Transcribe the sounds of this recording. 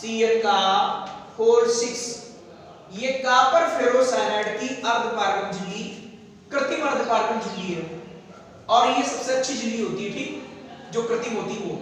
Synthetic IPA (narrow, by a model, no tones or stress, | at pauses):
siːəkaːpʰoːɾsɪks | jekaːpəɾpʰɪɾoːsɛːɾɛːɽk̪iːʔəɾd̪paːɾkənd͡ʒɪlːiː | kɾɪt̪iːməɾd̪paːɾkənd͡ʒɪlːiːe | ɔːɾiəssətːʃʰiːd͡ʒɪlːiːɦoːt̪iːʈʰliːd͡ʒoːkɾɪt̪iːmoːt̪iːɦoː